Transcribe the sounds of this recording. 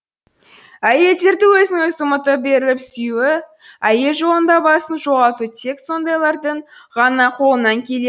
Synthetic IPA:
æje̞ld̪e̞ɾd̪ɪwɵzɪnɪŋəjsəmət̪əbe̞ɾɪlɪpsʏjuwɪ | æje̞lʒo̞lˠənd̪ɑbɑsənʒo̞ʁɑt̪ut̪ʰe̞k̪so̞nd̪ɑjlˠɑɾd̪əɴʁɑnɑqʰo̞lˠənɑŋkʲʰe̞le

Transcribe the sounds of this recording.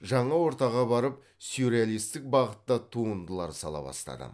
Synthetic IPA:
ʒɑɴɑwo̞ɾt̪ɑʁɑbɑɾəp̚ | sjuɾealˠijst̪ɪk̚bɑʁət̪ːɑt̪ʰuənd̪əlˠɑɾsɑlˠɑ̰bɑ̰st̪ɑ̰d̪ə̰

